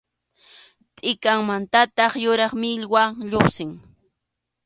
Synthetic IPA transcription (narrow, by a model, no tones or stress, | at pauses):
t̪ʼɪkaŋmant̪at̪ɑχjʊɾɑχmɪʎwaŋʎoχsɪŋ